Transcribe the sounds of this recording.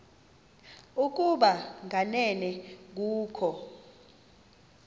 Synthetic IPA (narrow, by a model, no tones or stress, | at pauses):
uk̬uɓaŋʱanɛnɛk̬uːkʰɔ